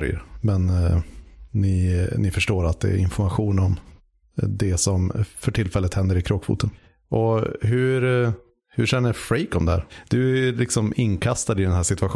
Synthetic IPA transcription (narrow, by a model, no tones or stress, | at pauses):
ɾj̰ə̰ɾmɛn | nɪnɪfœʂʈoːɾat̪̚d̪ɛ̰ɾɪnfɔɾmaɧuːnɔm | d̪ɛsɔmfœʈʰɪlːfɛlːət̪hɛnd̪əɾɪkʰɾoːkfṵːt̪ən | ʔɔɦɵɾ | hɵʂɛnːəfɾeɪkɔmd̪ɛhæ̰ːɾd̪̥ɵælɪksɔmɪnːkʰast̪ad̪ɪd̪ɛnhæːʂɪt̪ɵaɧ